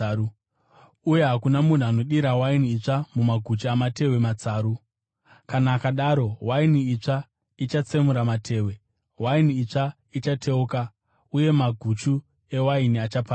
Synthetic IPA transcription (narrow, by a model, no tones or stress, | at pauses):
uje̞ɦakunamun̤uano̞ɗiɾawainiːt͡ʂamumaɡʱut͡ʃiamate̞we̞mat͡saːɾu | kanaːkaɗaːɾo̞wainiit͡ʂa | it͡ʃat͡semuɾamatʰe̞ːwe̞ | wainiit͡ʂa | it͡ʃatʰe̞uka | uje̞maɡʱut͡ʃu | e̞wainiat͡ʃapa